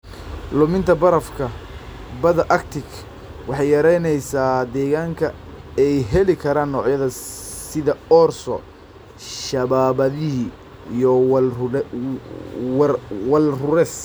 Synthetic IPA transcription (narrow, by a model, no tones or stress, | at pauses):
lʊmɪnt̪ʰɐbɐɾɐfkʰɐ | bɐðɐʔɐkt̪ʰɪk | wɑħɑjjɐɾɛjnɛjsaːd̪ɛːɣaːŋkʰɐɛjɦɛlɪkʰɐɾaːnːɔːʕjɐðɐsɪðɐɔːrsɔ̰ | ʃɐβaːβɐðɪɦi | jɔ | wɐlrʊɾɛːs